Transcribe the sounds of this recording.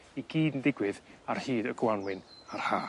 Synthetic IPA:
iɡiːdəndɪɡwɨðar̥hiːdəɡwanwɪnar̥haː

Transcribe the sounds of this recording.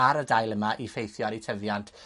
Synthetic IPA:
aɾədajlˠəmaʔifejθjɔɾitʰəvjantʰ

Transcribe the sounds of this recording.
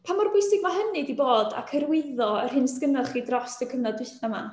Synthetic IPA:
pʰamɔrbʊjsɪɡmaɦənɨdiboːda̰kʰəɾwɪðɔərhɨnskənalˠχiːdrɔstəkʰəmnadwɪθnama̰

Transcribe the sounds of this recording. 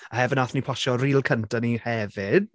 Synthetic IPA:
ahɛvɪnaθnipʰɔʃɔriːlˠkʰəntʰanihɛvɪd̥

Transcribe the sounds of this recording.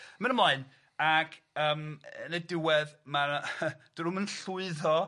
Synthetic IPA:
mɛnəmlˠaɨn | akʰ | əːmənɛdɪwɛðmad̥ɾʊmənɬʊɨðɔ

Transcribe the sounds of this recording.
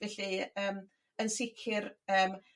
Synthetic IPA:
vɛɬiəːm | ənsɪkʰɪrəːm

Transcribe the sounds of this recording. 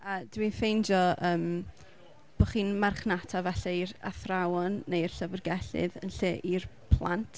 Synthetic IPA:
adwinfejnd͡ʒɔəːm | b̥ɔχiːnmarχnatʰavɛɬaira̰θrawɔnːejr̥ɬəvərɡɛɬɨ̰ðə̰nɬeːʔirpʰlˠa̰ntʰ

